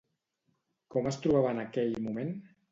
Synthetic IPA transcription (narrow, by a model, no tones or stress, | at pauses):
kɔməst̪ɾuβ̞aβəːnəkɛʎmumen